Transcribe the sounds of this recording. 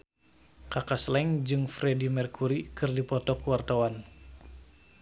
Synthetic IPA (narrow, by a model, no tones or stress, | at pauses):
kakaslɛŋd͡ʒɨŋfɾedimɛrkʰuɾikɨrdipɔt̪ɔkuwart̪awan